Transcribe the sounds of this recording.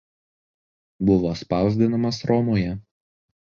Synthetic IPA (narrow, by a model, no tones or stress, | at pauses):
bʊʋoːspɑˑʊzʲd̪ʲɪnɐmɐsɾɔmoːjɛ